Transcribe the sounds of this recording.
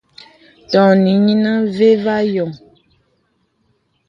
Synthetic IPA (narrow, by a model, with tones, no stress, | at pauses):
tɔ̃˨nĩ˨˦ɲĩ˦nã˦ve˦va˦jɔ˨